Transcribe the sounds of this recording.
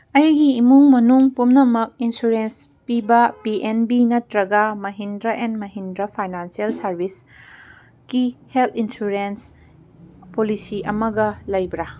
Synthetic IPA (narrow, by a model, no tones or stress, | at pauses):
ɐjɡiːmuŋmɐnuŋpumnɐmɐk̚insuɾens | pibɐpiʔenbinɐtɾɐɡɐmɐɦindɾɐʔenmɐɦindɾɐpʰajnansiɐlsɐɾbis | kiheltʰinsuɾens | polisiʔɐmɐɡɐlɐjbɾa